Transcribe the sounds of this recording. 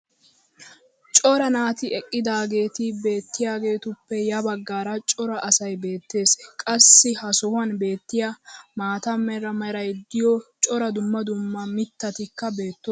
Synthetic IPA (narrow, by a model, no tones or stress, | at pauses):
t͡ʃʼɔɾɐnaːt̪ɪɛkʼːɪd̪aːɡe̞ːt̪ɪbe̞ːt̪ːɪjaːɡe̞ːt̪ʊpːɛjɐbɐɡːaːɾɐt͡ʃʼɔɾɐʔɐsɐjbe̞ːt̪ːe̞ːskʼɐsːɪhɐsɔhʊɐnbe̞ːt̪ːɪjamaːt̪ɐmːɛɾɐmɐɾɐjd̪ɪjɔt͡ʃʼɔɾɐd̪ʊmːɐd̪ʊmːɐmɪt̪ːɐt̪ɪkːɐbe̞ːt̪ːo